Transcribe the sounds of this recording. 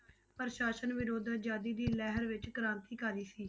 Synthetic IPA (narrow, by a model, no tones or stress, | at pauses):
pəɾʃaːʃənʋɪɾoːd̪ad͡ʒaːd̪iːd̪iːlɛːɦəɾʋɪt͡ʃkəɾãːnt̪iːkaːɾiːsiː